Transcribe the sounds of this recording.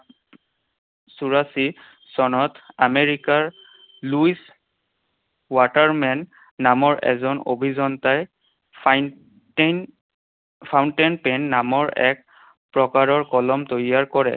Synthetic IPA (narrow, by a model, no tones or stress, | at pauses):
suɹasi | sɔnɔtameɹikaɹ | luis | wataɹmɛnː | amɔɹɛ̰zɔno̰bʱizɔntaj | pʰawntenpɛnːamɔɹɛ̰k̚ | pɹɔkaɹɔɹkɔlɔmtojiaɹkɔɹɛ̰